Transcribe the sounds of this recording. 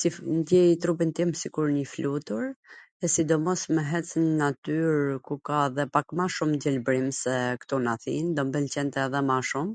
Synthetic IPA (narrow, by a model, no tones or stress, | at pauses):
sifnd̪jɛjit̪ɾubint̪imsikuɾɲəflut̪uɾ | ɛsid̪ɔmɔsmɛɦɛt͡snənat̪yɾkukaðɛpakmaʃumɟɛlbɾimsɛkt̪unaθḭnd̪ɔmbəlcɛnt̪ɛðɛmaʃum